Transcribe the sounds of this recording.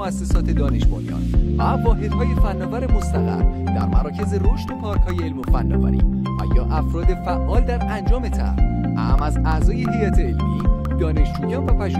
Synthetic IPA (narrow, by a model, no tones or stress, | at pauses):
oæsːesɒːt̪ʰe̞d̪ɒːne̞ʃbonjɒ̰ːnvævɒːɦe̞d̪̥hɒːje̞fænːɒːvæɾemost̪æɣæ̰ɾd̪æ̰ɾmæɾɒːcʰe̞zeɾoʃt̪opʰɒːɾkhɒːjeelmofænːɒ̰ːvæ̰ɾḭː | æ̰jɒːʔæfɾɒːd̪e̞fæʔːɒːld̪æɾænd͡ʒɒːme̞t̪ʰæ̰ɾʔææmæzæzɒːjehijæt̪ʰeelmiː | d̪̥ɒːne̞ʃd͡ʒuːjɒːnvæpʰæʃ